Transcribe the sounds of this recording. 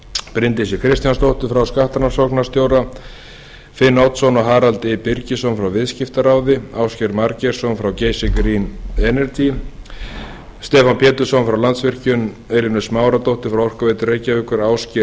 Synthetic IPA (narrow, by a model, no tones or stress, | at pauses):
pɾɪnt̪ɪsjɪkʰɾɪst̪janst̪owht̪ʏfɾawskaht̪anasɔknast̪joːwɾa | fɪnːawt̪sɔnɔɦaːɾalt̪ɪpɪɾcɪsɔnfɾawvɪðscɪft̪aɾaːwðɪaːwscɛɾmaɾcɛɾ̥sɔnfɾawceːjsɪkɾinɛnɛɾt̪ʰi | st̪ɛːfanpʰɛːt̪ʏ̥sɔnfɾawlant̪svɪr̥cʏn | ɛjlɪnʏsmaːwɾat̪owht̪ʏ̥fɾawɔr̥kaveːjt̪ʏrejcaʏkʏɾaːwscɛ